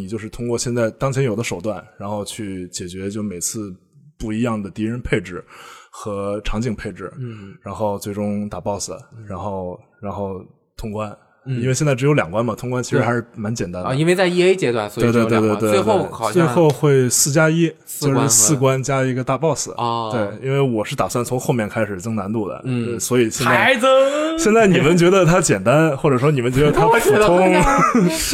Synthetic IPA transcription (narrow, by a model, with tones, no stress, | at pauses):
ni˨˩t͡ɕjo˥˧ʊʂɻ̩˥˩t̪ʰʊ˥ŋkwɔ˥˧ɕjɛ˥˧nt͡sa˥˩ɪt̪ɑ˥ŋt͡ɕʰjɛ˧˥njo˨˩ʊd̪ə˦ʂo˨˩ʊt̪wa˥˩nɻa˧˥nxo˥˧ʊt͡ɕʰy˥˩t͡ɕjɛ˨˩t͡ɕɥɛ˧˥t͡ɕjo˥˩me˨˩ɪt͡sʰɹ̩˥˧ | pu˥˩i˧˥jɑ˥˩ŋd̪ə˩t̪i˧˥ɻə˧˥npʰe˥˩ɪʈ͡ʂɻ̩˨˩xɤ˧˥ʈ͡ʂʰɑ˧˥ŋt͡ɕi˨˩ŋpʰe˥˩ɪʈ͡ʂɻ̩˨˩ɻa˧˥nxo˥˧ʊt͡swe˥˩ɪʈ͡ʂʊ˥ŋt̪a˨˩pɑ˥˩ʊsɹ̩̰˨˩˦ɻa˧˥nxo˥˩ʊ | ɻa˧˥nxo˥˩ʊ | t̪ʰʊ˥ŋkwa˥n | i˥nwe˧ɕjɛ˥˧nt͡sa˥˩ʈ͡ʂɻjo˧˥ljɑ̰˨˩ŋkwa˥nmɐ˨t̪ʰʊ˥ŋkwa˥nt͡ɕʰɻ̩˧˥xa˧˥ʂɻ̩˥˧˥ma˧˥nt͡ɕjɛ˨˩nt̪a˥n˧i˥nwe˧t͡sa˥˧ɪi˥e˥ɪt͡ɕjɛ˥t̪wa̰˥˩nswe˥˧t̪we˥˧t̪we˥˧t̪we˥˧t̪we˥we˥˧t̪oe˥˩ʊɪɑ˨˩t͡swe˥˧ɪxo˥˧ʊxwe˥˩ɪsɹ̩˥˩t͡ɕja˥i˥ | t͡ɕo˥˧ʂɻ̩˥˧sɹ̩˥˩kwa˥nt͡ɕja˥i˧˥ɡə˧t̪a˥˩pɑ˥˩ʊsɹ̩˨˩˦t̪we˥˩ɪi˥nwe˥˩ɪwɔ˨˩ʂɻ̩˥˩t̪a˨˩swa˥˩nt͡sʰʊ˧˥ŋxo˥˧ʊmjɛ˥˩nkʰa˥ɪʂɻ̩˨˩ʈ͡ʂɤ˥ŋna˧˥nt̪u˥˩d̪ə̰˩˥˧swɔ˧˥i˨˩ɕjɛ˥˧nt͡sa˧˥ɪə˧˩ɕjɛ˥˧nt͡sa˥˩ɪni˨˩mə˦nt͡ɕɥɛ˧˥d̪ə˧t̪ʰa˥t͡ɕjɛ˨˩nt̪a˥nxwɔ˥˩ʈ͡ʂɤ˨˩ʂwɔ˥ni˨˩mə˦nt͡ɕɥɛ˧˥d̪ə˧t̪ʰa˥˧˥ʊ˥ŋ